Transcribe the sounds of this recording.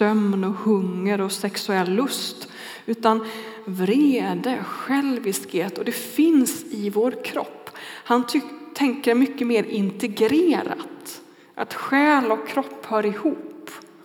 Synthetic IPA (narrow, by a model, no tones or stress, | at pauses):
œmnɔhɵŋːəɾɔsɛksɵɛlːɵst̪ | ʉ̟ːt̪anvɾeːd̪əɧɛlvɪskheːt̪ɔd̪ɛfɪnsɪvoːɾkʰɾɔ̰pːhanʰʏt̪ʰɛŋkəɾmʏkːəmeːɾɪnt̪ɛɡɾeːɾa̰t̪ | ʔa̰t̪ɧɛːlɔkʰːɾɔpːhœːɾɪhuːp